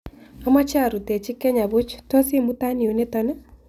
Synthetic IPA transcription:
a˦ma˦t͡ʃa˦˨ɾu˨tɛ˨t͡ʃɪ˦kːɛ˦ɲa˨βʊ˦t͡ʃto˦si˦mu˦ta˦ni˨o˨ne˦ta˦nɛ˦

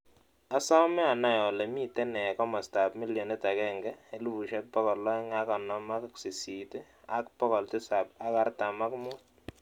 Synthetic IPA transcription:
a˦sa˦mɛ˦a˨na˦jɔ˨lɛ˨mi˦tɛ˦nɛ˨kɔ˦mɔ˨sta˨pmi˦ljɔ˨nɛ˦ta˨kɛ˦˨ŋɡɛ˦e˦lu˦bu˨ʃɛ˦pɔ˦kɔ˨lɔ˦ŋa˦ka˨nɔ˨ma˦ksi˨si˨tɪ˦ | a˦kpɔ˦kɔ˨ltɪ˦sa˨p̚a˦ka˦rta˨ma˦kmʊː˦t̚

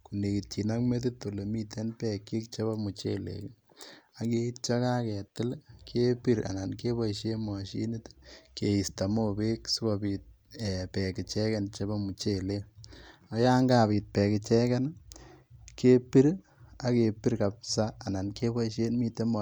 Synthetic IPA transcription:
ku˨ne˨ki˨ti˨na˦kme˦tɪ˦t̪o˨le˨mi˦tʰe˦npɛ˨kːi˦k̚t͡ʃe˦βɔ˦mu˨t͡ʃe˦lḛ˨k | a˨ke˦i˦t̚t͡ʃa˦ka˦kɛ˨tɪ˦lkʰe˦pi˦ɾa̰˨na˨nke˦βɔ˦ʃe˦ma˨ʃi˦ni˦tke˨i˨sta˨mo˦be˦ksu˦ba˨bi˨t̚ | ɛpɛ˨kɪ˨t͡ʃɛ˦ke˨nt͡ʃe˦ba˦mu˨t͡ʃe˦˨le˦a˨ja˦ŋɡa˦˨piː˨t̚pɛ˨kɪ˨t͡ʃɛ˦kɛ˦n | ke˦pi˦ɾ | a˦ke˨pi˦ɾka˨psaː˦˨na˨nke˦bɔ˦ʃe˦mi˧te˦m

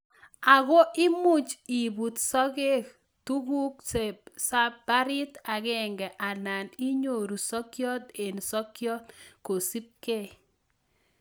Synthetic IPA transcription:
a˨ɣo˦ʔɪ˦mu˦t͡ʃi˨bu˨t̪sɔ˦ɡe˦ | tu˦ɡu˦kse˨sa˦b̥a˦ɾɪ˦t̪a˨ɡɛ˦ŋɡɛ˨ʔa˨na˨ni˦ɲo˨ɾu˨sɔ˦kjɔ˦t̪e˨nsɔ˦kjɔ˦t̪ko˨si˦p̚ke˦

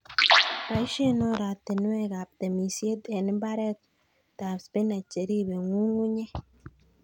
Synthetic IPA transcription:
ɾa˨i˦ʃe˦no˦ɾa˨t̪e˨nwe˦ɡa˨p̚t̪e˨mi˨sje˦d̪e˨n˦mba˦ɾe˦t̪ | t̪a˨bspe˦na˨t͡ʃe˨ɾi˦βe˨ŋu˦ŋu˦ɲe˦

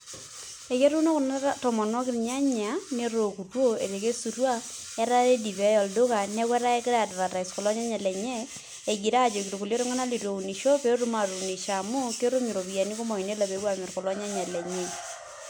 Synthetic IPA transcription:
e˨ke˦ɾu˦no˦kʊ˨na˦a˦tɔ˨mɔ˨nɔ˦kɪ˦ɲa˦ɲ˨a˨˦ne˦ɾo˨ku˨two˦e˨ɾe˨ke˦su˨ɾwa˦ | ja˦ɾa˦e˦di˨bɛ˨˦jɔ˨ldʊ˦ka˨ne˦kwɛ˦ɾa˦e˦kɪ˦ɾa˨dɾa˨ta˨i˨skɔ˨lɔ˦ɲa˦ɲa˨lɛ˨ɲɛ˦ | e˨ɡi˨ɾa˦˨d͡ʒo˨kiɾo˨ku˨ljo˦ɾo˦ŋa˦na˦li˨to˨u˨ni˨ʃo˦pe˦ɾu˦ma˨ɾu˨ni˨ʃa˨mu˦ke˦ɾo˦mi˨ɾo˨bi˨ja˨ni˦kɔ˦mɔ˨i˨ne˦la˨pe˨˦wa˦˨mɛ˨ɾkɔ˨lɔ˦ɲa˦ɲa˨lɛ˨ɲɛ˨

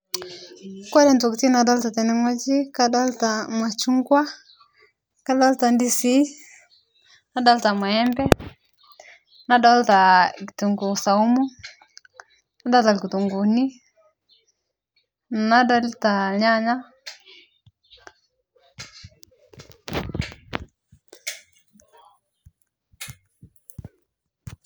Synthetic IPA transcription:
kwa˦ɾɛ˨ntɔ˨ki˨ti˦na˨da˦lta˨tɛ˨nɛ˦ŋɔ˦d͡ʒi˦ka˦da˦lta˨ma˨t͡ʃu˦ŋɡwa˦ | ka˦da˦lta˨ndi˦si˦ | na˦da˦lta˨ma˨ɛ˦mbɛ˦ | na˦da˦lta˨ki˨tu˨ŋɡu˨sa˨u˦mu˦ | na˦da˦lta˨lki˨tu˨ŋɡu˨ni˦ | na˦da˦lta˨ɲa˦ɲa˦

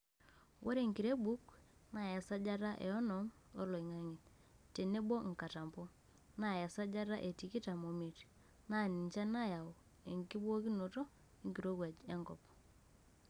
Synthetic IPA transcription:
wʔɔ˦ɾe˨ŋki˨ɾe˦bu˦kna˨ja˨sa˦d͡ʒa˦ɾa˦ʔɛ̰˨ɔ˦nɔ˨m | ɔ̰˦lo˨i˨ŋa˦ŋi˨t | te˨ne˦bɔ˦ŋ̩˨ka˨ta˨mpɔ˦ | na˨ja˨sa˦d͡ʒa˦ɾa˦ʔe˨ti˨ki˦ta˨mo˨mi˨t | na˦˨ni˨ɲt͡ʃa˦na˦ja˨o˨ | e˨ŋki˦bwo˦ki˦no˨to˦ | i˦ŋɡi˨ɾo˦kwa˨d͡ʒe˦ŋɡɔ˨p

